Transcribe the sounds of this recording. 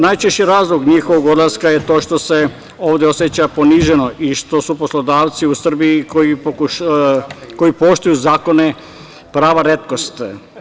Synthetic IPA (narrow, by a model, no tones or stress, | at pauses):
najt͡ʃeʃt͡ɕiɾaːzlˠoɡɲixoʋoɡod̪laskajet̪o̞ːʃt̪o̞se | oːʋd̪jeosjet͡ɕapo̞niʒenoʔiʃt̪o̞suposlo̞d̪aːʋt̪siusr̩biikoipoku | ko̞ipo̞ʃt̪ujuzaːko̞ne | pɾaːʋaɾe̞t̪ko̞st̪